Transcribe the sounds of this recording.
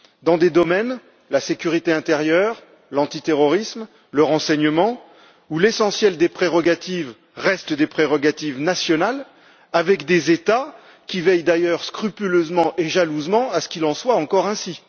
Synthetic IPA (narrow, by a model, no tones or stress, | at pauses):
d̪ɑ̃d̪ed̪ɔmɛn | lasekʲyʁit̪eɛ̃t̪eʁjœʁ | lɑ̃t̪it̪eʁɔʁism | ləʁɑ̃sɛɲəmɑ̃ | ulesɑ̃sjɛld̪epχeʁɔɡat̪iv | ʁɛst̪d̪epχeʁɔɡat̪ivnasjɔnal | avɛkd̪ezet̪a | kʲivɛjd̪ajœʁskχypyløzmɑ̃ʔeʒaluzmɑ̃asə̥kʲilɑ̃swaɑ̃kɔʁɛ̃si